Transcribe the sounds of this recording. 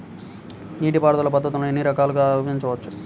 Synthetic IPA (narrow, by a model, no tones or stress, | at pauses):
niːʈipaːɽɐd̪ulɐpɐd̪ːɐt̪ulenːiɾɐkaːluɡaːʋɐiɲt͡ʃɐʋɐt͡ʃːu